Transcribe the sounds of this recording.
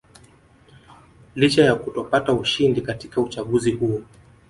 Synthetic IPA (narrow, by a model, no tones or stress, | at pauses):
lit͡ʃajakutɔpatauʃindikati̥kaut͡ʃaɠuzihuɔ